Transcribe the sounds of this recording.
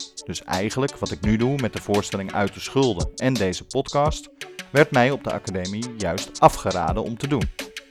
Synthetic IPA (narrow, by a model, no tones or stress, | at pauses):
d̥ɵsɛ̰jχənləkʋɑtɪknydumɛt̚dəv̥ʊːɹstɛlɪŋœ̰ɥt̚dəsχɵlˠdənɛndejzəpɔtkɑstʋɛɹtmɛjɔb̚dəʔɑ̰kademijœɥstʔɑfχəɾa̰ːdənɔmtədun